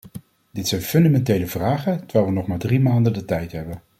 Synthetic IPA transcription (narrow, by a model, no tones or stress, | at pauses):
dɪtsɛjnfɵndamɛntejləvraːχəntəɹʋɛːlˠʋənɔχmaːɹdrimaːndəndətɛjtɦɛbən